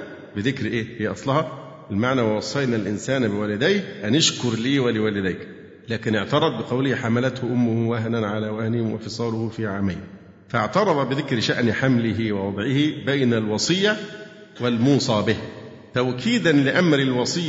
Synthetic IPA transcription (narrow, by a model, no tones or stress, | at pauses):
bɪðɪkɾʔeːhiːʔɑsˤlɑhɑ | ʔɪlmaʕnæːwwɑsˤːɑjnælʔɪnsæːnbɪwæːlɪd̪æjkʔænɪʃkʊɾliːwælɪwæːlɪd̪æjk | læːkɪnɪʕt̪ɑɾˤɑd̪ˤbɪqɑwlɪhħamælæt̪hʊʔʊmːʊhʊwæɦnanʕalæːwæhnɪhɪwafɨsˤɑːlʊhʊfiːʕaːmajn | faʕt̪ɑɾˤɑðˤɑbɪðɪkɾʃaʔnħamlɪɦiwɑwɑd̪ˤʕɪhibæjnælwɑsˤɨjːa | wɪlmuːsˤɑːbɪh | t̪æʔkʰiːd̪ænlɪʔamɾɪlwɑsˤɨjː